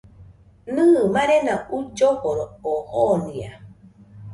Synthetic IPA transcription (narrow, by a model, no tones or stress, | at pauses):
nɯmãɾenaud͡ʒohoɾoohonĩa̰